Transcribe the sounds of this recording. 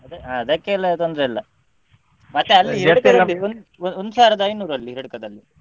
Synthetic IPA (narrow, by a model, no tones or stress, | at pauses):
ɐd̪eɦaɐd̪ɐkːeɐlːɐt̪ond̪ɾeɐlːɐ | mɐt̪ːeɐlːiɦiɐkɐd̪ɐlːiond̪ond̪usaːɾɐd̪ɐɐjnuːɾɐlːiɾiɽɐkɐd̪ɐlːi